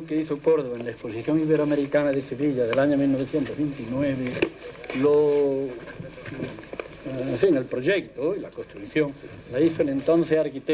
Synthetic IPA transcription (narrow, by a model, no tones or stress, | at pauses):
keiθokoɾðoβoenlaesposiθjoŋiβeɾoameɾikanaðeseβiʎaðelaɲomilnoeθjent̪ozβent̪inweβelo | eɱfiŋelpɾoʒekt̪oilakost̪ɾukθjoŋ | laiθoelent̪õnθeaɾkit̪e